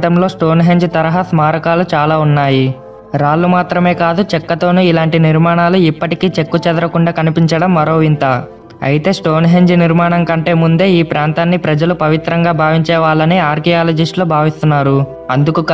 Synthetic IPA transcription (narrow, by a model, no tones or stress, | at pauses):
t̪ɐmloːsʈo̞ːnɦe̞ɲd͡ʒt̪ɐɾɐɦɐsmaːɾɐkaːlut͡ʃaːlaːunːaːji | ɾaːlːumaːt̪ɾɐme̞ːkaːd̪ut͡ʃɛkːɐt̪o̞ːnuilaːɳʈiniɾmaːɳaːluipːɐʈikiːt͡ʃe̞kːut͡ʃɛd̪ɐɾɐkuɳɖaːkɐnipiɲt͡ʃɐɽɐmːɐɾo̞ːʋint̪aː | ɐ̰jit̪e̞ːsʈo̞ːnɦe̞ɲd͡ʒniɾmaːɳɐŋkɐɳʈe̞ːmund̪e̞ːiːpɾaːnt̪aːnːipɾɐd͡ʒɐlupɐʋit̪ɾɐŋɡaːbʱaːʋiɲt͡ʃɛːʋaːlɐniaːɾkijaːlɐd͡ʒiʂʈloːbʱaːʋist̪unːaːɾu | ɐnd̪ukuk